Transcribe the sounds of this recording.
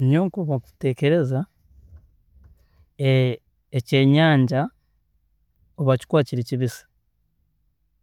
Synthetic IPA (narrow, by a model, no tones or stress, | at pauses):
ɲoːŋkoβoute̞ːce̞ɾe̞za | ece̞ːɲaːɲɟa | oβaci̥kwaːciɾiciβisḁ